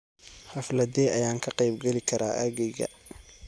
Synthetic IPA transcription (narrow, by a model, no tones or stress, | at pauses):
hɐflɐdɛːʔɐjaːŋkʰɐqɑjb̚ɡɛlɪkʰɐɾʔaːʔaːɣɛjɣɐ̰